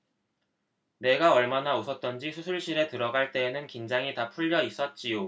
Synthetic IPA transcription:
ne̞ɡaʌɭmanaosʰʌt̚t͈ʌnd͡ʑisʰusʰuɭɕ͈iɾe̞tɯɾʌɡaɭt͈e̞ːnɯnkind͡ʑaŋitapʰuʎːʌis͈ʌt̚t͡ɕ͈ijo

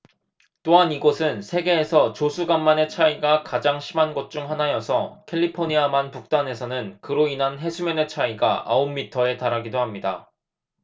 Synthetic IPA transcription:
t͈oɦaniɡosʰɯnsʰe̞ɡe̞ːsʰʌt͡ɕosʰuɡamːane̞t͡ɕʰaiɡakad͡ʑaŋɕʰimanɡʌt̚t͡ɕ͈uŋɦanajʌsʰʌkʰe̞ʎːipʰoɲiamanpuk̚t͈ane̞sʰʌnɯnkɯɾoinɦanɦe̞sʰumjʌne̞t͡ɕʰaiɡaʔaomːitʰʌe̞taɾaɡidohamɲida

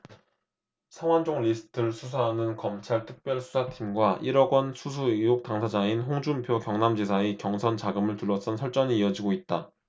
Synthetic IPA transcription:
sʰaŋwand͡ʑoŋʎisʰɯ̥tʰɯɭsʰusʰaɦːnɯnkʌmt͡ɕʰaɭtʰɯk̚p͈jʌɭsʰu̥sʰatʰimɡwaʔiɾʌɡwʌnsʰus̬ʰuijok̚t͈aŋsʰad͡ʑainɦoŋd͡ʑumpʰjokjʌŋnamd͡ʑes̬ʰaekjʌŋsʰʌnt͡ɕaɡɯmɯɭtuɭːʌs͈ʌnsʰʌɭt͡ɕ͈ʌɲiːjʌd͡ʑiɡoit̚t͈a

